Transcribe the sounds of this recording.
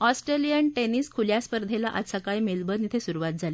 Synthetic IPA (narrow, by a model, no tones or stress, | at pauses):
ɔsʈɾelijənʈeniːskʰuljaspəɾd̪ʱelaʔasakajmelbənit̪ʰesuɾuʋat̪̚d͡zʱale